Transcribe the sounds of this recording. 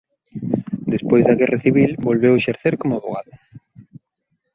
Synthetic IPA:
d̪espojzðɐɣɛraθiβ̞ilbolβeweʃeɾθeɾkomʊaβo̰ɣ̞a̰ðʊ

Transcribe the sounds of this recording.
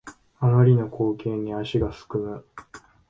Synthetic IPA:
amaɾʲino̞kʰo̞ːkẽ̞ɲ̟ːiaɕiɡasɨ̥kɯ̟mɯ

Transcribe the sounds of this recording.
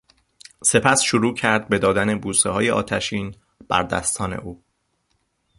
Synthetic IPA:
se̞pʰæsʃoɾuːcʰæɾd̪̚be̞d̪ɒːd̪æne̞buːseɦɒːjeʔɒ̰ːt̪ʰæʃiːn | b̥æ̰ɾd̪æ̰st̪ʰɒːne̞̰ʔuː

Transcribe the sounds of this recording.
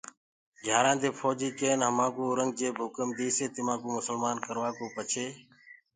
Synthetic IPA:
ɡʱjaːɾãːd̪eːpʰoːd͡ʒiːkeːnɦəmãːkuːɾəŋɡ̚d͡ʒeːbʱʊkəmd̪iːseːt̪ɪmãːkuːmʊsəlmaːnkəɾʋaːkoːpət͡ʃʰeː

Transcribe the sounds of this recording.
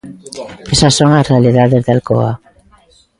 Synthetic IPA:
esasːoŋasrealiðaðezðalkoa̰

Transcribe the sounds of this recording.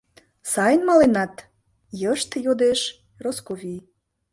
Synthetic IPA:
sɑjənmɑlenɑt̪ | jəʃt̪jod̪eʃ | roskovʲij

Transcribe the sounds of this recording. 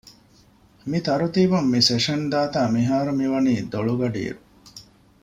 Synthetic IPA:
mit̪ɐɾut̪iːbumːiseʂɐnd̪aːt̪aːmiɦaːɾumiʋɐniːd̪oɭuɡɐɖḭːɾu

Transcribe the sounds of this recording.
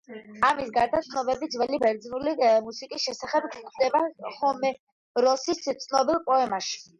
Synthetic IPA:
amisɡaɾd̪at̪sʰnɔbɛbit̪zvɛlibɛɾd̪znulimusikʼisʃɛsaχɛbɡd̪ɛbaχɔmɛ | ɾɔsist̪sʰnɔbilˠpʼɔɛmaʃi̥

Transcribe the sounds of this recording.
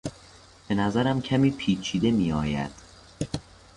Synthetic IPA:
b̥e̞næzæɾæmcʰæmiːpʰiːt͡ʃʰiːd̪e̞miːɒːjæ̰d̪̥

